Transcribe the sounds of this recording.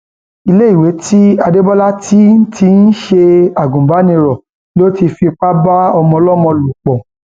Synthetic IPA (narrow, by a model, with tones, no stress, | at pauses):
i˧le˦i˨we˨˦tʰi˦a˧de˦bɔ˦la˦ti˦n̩˦tʰi˧n̩˦ʃe˧a˨ɡũ˨ba˨˦nĩ˧ɾɔ˨ | lo˦ti˧fi˧k͡pa˦ba˦ɔ˧mɔ̃˧lɔ˦mɔ̃˧lu˨k͡pɔ̃˨